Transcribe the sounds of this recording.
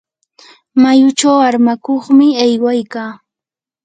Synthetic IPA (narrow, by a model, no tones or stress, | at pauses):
majʊt͡ʃawaɾmakoχmɪajwajkaː